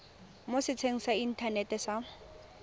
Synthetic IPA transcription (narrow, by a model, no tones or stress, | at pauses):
mosɪt͡sʰeŋ̩sain̩tʰanɛtɛsa